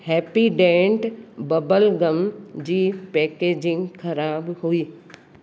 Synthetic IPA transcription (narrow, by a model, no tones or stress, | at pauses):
hɛːpiɖɛ̃ːɳʈbɐbəlɡəmd͡ʑiːpɛːkeːd͡ʑɪ̃ŋɡkʰɐɾaːbɦuiː